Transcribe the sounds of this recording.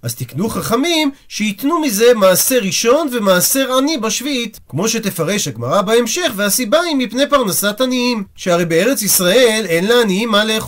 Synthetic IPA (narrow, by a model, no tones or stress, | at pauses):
ʔazt̪iknuχaχamim | ʃeit̪numize̞maːse̞ʁiʃo̞nve̞maːse̞ʁanibaʃviitkmo̞ʃe̞te̞faʁe̞ʃaɡmaʁabaemʃe̞χveasibaimipnejpaʁnasataniimʃeaʁejbee̞ʁe̞t͡sisʁaeele̞nlaaniimːaleːχ